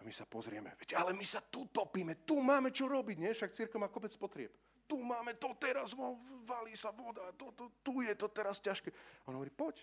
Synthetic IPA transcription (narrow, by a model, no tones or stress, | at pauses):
amisapɔzɾɪɛmɛ̰ʋɛcalɛmisat̪ut̪ɔpiːmɛt̪umaːmɛt͡ʃɔɾɔbiɟɲɛfʃakt͡siɾkɛʊmaːkɔpɛt͡spɔt̪ɾɪɛp | t̪umaːmɛt̪ɔt̪ɛɾazɔʋaliːsaʋɔd̪at̪ɔt̪ɔt̪ujɛt̪ɔt̪ɛɾascaʃkɛːɔnɦɔʋɔɾipɔc